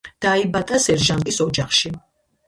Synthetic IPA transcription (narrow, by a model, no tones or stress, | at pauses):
d̪̥aibat̪ʼasɛɾʒankʼisɔd͡ʒaχʃi